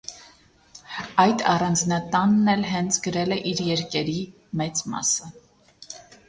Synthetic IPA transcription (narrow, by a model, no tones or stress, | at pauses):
ɑjd̪ɑrɑnd͡znɑt̪ɑnːɛlɦɛnt͡sʰɡəɾɛlɛʔiɾjɛɾkɛɾi | mɛt͡smɑ̰sə